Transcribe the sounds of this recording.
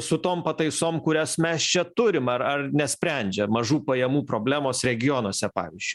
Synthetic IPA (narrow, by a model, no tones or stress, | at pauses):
sʊt̪oːmpɐt̪ɐɪsoːmkʊɾʲɛsmʲɛst͡ʃʲɛt̪ʊɾʲɪmɐɾɐrnʲɛsʲpʲɾʲɛˑnʲd͡ʒʲɛmɐʒuːpɐjɛmuːpɾoːbʲlʲæːmoːsɾʲɛɡʲɪjoːnoːsʲɛpɑ̰ːʋʲɪz̥ʲd͡ʒʲʊɪ